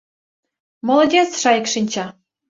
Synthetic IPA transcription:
mŏlˠŏdʲet͡sʃɑjɤkʃinʲt͡ɕɑ

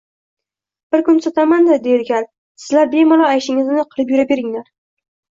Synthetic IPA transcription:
b̥ɪɾkʊnsɒt̪ʰamand̪ɪd̪ejɪɾɡʲan | sɪ̥zlaɾbe̞mɒlˠɒajʃɪŋɪznɪqʰɨlˠɨpjʊɾabe̞ɾɪŋlaɾ

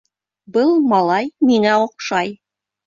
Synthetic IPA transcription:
bɤlˠmɑlˠɑjmiŋæŏqʃɑj

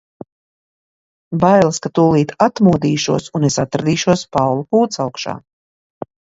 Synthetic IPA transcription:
bajlˠskat̪uːlˠiːt̪at̪muːd̪iːʃuɔsunesat̪ɾad̪iːʃuɔspawlˠukuːt̪sawkʃa̰ː

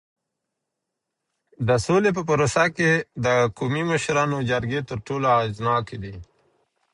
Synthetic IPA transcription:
d̪əsolep̬əpaɾosaked̪əkomiməʃɾɑːnod͡ʒaɾɡet̪əɾʈoloaznɑːked̪i

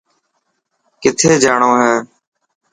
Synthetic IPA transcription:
kɪt̪ʰeːd͡ʒaːɳoːɦɛː

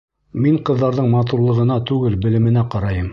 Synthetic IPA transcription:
miɴqɤ̆ðːɑɾðɤɴmɑt̪̬uɾlˠɤ̆ʁɤ̆nɑt̪ʉɡɘlbɘ̆lɘ̆mɘ̆næqɑɾɑjɤm

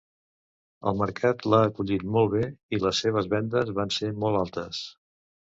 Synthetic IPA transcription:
ə̰lˠməɾkʰat̪laəkuʎit̪mɔlˠβeiləsːeβ̞əzβɛnd̪əzβansemɔlˠalˠt̪əs

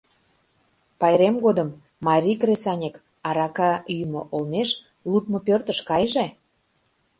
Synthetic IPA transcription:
pɑjɾemɡod̪əmː | ɑɾʲikresɑnʲek | ɑɾɑkɑymo̰ʔolneʃ | lut̪̚mŏpørt̪əʃkɑjʒe

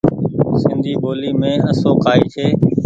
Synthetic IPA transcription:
sɪ̃nd̪ʱiːboːliːmẽːəsoːkʰaːiːt͡ʃʰeː

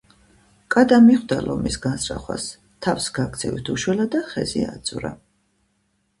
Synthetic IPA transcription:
kʼad̪amiχwd̪alɔmisɡansɾa̰χwa̰s | t̪ʰafsɡak̚t̪sʰɛvit̪ʰuʃwɛlad̪aχɛziat̪sʼuɾa̰

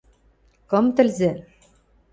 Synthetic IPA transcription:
kɤ̆mt̪ɘ̆lzɘ̆

